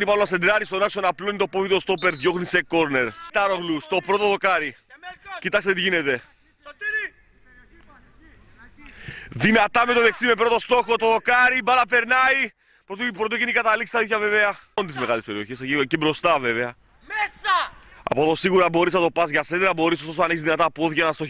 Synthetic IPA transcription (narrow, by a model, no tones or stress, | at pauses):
ipɐɾonɐsed̪ɾɐɾist̪o̞nɐkso̞nɐploinet̪opovit̪ost̪o̞pe̞ɾðʝo̞xnise̞ko̞ɾne̞ɾt̪ɐɾo̞ɣlust̪o̞pɾo̞t̪oðo̞kɐɾi | cit̪ɐkst̪et̪iʝine̞t̪e̞ | ðinɐt̪ɐmet̪o̞ðe̞ksimepɾo̞t̪o̞st̪o̞xo̞t̪oðo̞kɐɾibɐlɐpe̞ɾnɐi | pɾot̪pɾot̪ocenikɐt̪ɐliksi̥st̪ɐit̪çɐve̞veɐont̪izme̞ɣɐlespe̞ɾio̞çesecicebɾo̞st̪ɐve̞ve̞ɐ | ɐ̰poðosiɣuɾɐbo̞ɾisnɐt̪o̞pɐzʝɐsend̪eɾɐbo̞ɾisost̪osɐneçizðinɐt̪ɐpo̞ðʝɐnɐst̪o̞